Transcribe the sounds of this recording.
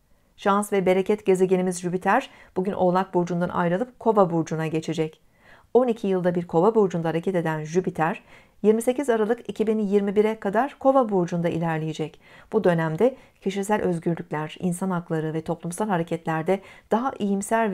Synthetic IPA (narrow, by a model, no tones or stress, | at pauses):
ʃansvɛbe̞ɾe̞cʰɛt̪ɟe̞ze̞ɟenʲimizʒybit̪ʰæɾ̥ | b̥uɟynʔo̞lˠak̚buɾd͡ʒund̪a̰nʔa̰jɾalˠɯp̚kʰo̞vabuɾd͡ʒunaɟe̞t͡ʃʰed͡ʒɛc | o̞nicʰijɯlˠd̪abiɾkʰo̞vabuɾd͡ʒund̪aaɾecʰɛt̪e̞d̪ænʒybit̪ʰæɾ̥ | jiɾmise̞cizaɾalˠɯkicʰibinjiɾmibiɾɛkʰad̪aɾ̥kʰo̞vabuɾd͡ʒund̪aʔḭlʲæɾlʲejed͡ʒɛcb̥ud̪ø̞næmd̪ɛcʰeʃisælʲʔø̞zɟyɾlʲycʲlʲæɾ̥ḭnsanaklˠaɾɯvɛt̪ʰo̞plˠumsalʲˠhaɾe̞cʰɛt̪lʲæɾd̪ɛd̪̥aɦaʔijimsælʲ